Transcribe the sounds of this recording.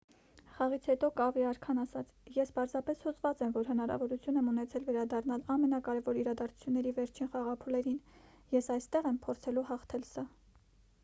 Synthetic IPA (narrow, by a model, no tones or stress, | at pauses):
χɑʁit͡sʰhɛt̪ɔkɑviɑɾkʰɑnɑsɑt͡sʰjɛspɑɾzɑpɛshuzvɑt͡sɛmvɔɾɦənɑɾɑ̰vɔɾut͡sʰjunɛmunɛt͡sʰɛlvɛɾɑd̪ɑrnɑlɑmɛnɑkɑɾɛvɔɾiɾɑd̪ɑɾt͡sʰu̥t͡sʰjunːɛɾivɛɾt͡ʃʰinχɑʁɑpʰulɛɾin | jɛsɑjst̪ɛʁɛmpʰɔɾt͡sʰɛluhɑχt̪ʰɛlsɑ